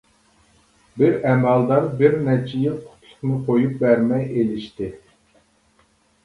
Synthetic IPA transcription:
bɪɾɛmælˠd̪ɑɾbɪɾnɛt͡ʃʰijɪnqʰʊ̥t̪ʰlˠʊχnɨqʰojup̚bæɾmɛjelɪʃt̪ɪ

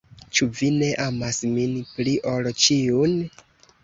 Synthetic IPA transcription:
t͡ʃuvine̞ʔamasminpɾiʔolt͡ʃiun

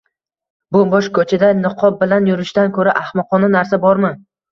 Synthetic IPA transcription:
bʊbɒʃkʰɵt͡ʃʰad̪anɪqʰɒbɪlanjʊɾɪʃt̪ankʰɵɾaʔahmɒqʰɒnanaɾsabɒɾmɪ

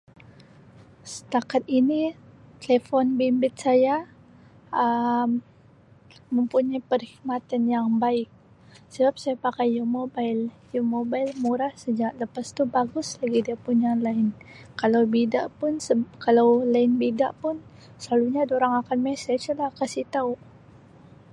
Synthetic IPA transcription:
sə̥t̪akat̪init̪əlefɔnbimbɪt̪̚saja | əm | əmpuɲajpərhikmat̪anjaŋbaɪk̚ | səbap̚sajapakajamobajl | jumobajlmuɾahsəd͡ʒaʔləpast̪ubaɡʊslaɡidiapuɲalaɪnkalawbidaʔpʊnsəkalawlaɪnbidaʔpʊn | səlaluɲadoɾaŋakanmɛsɛt͡ʃlahkasit̪aʊʔ

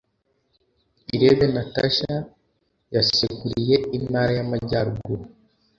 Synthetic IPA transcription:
iɾeβenataʃa | jasekuɾije̞imaːɾajamaɟaːɾuɡu

